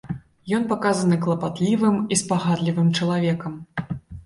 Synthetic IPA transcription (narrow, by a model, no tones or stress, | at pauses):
jɔnpakazɐnɨklˠɐpat̪lʲivɨmispaɣad̪lʲivɨmt͡ʂɐlˠavʲɛkɐm